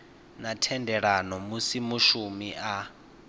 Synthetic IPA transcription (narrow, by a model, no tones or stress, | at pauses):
natʰɛndɛɺanɔmusimuʃumiʔa